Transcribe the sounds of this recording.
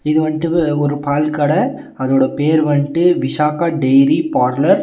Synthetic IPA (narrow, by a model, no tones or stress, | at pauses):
ɪðɯʋɐɳʈːɯɔɾɯpaːlkɐɽɐ | ɐðoːɽɐpeːɾʋɐɳɪʈːɯʋɪʂaːkaːɖɛjɾipaːɾlɐɾ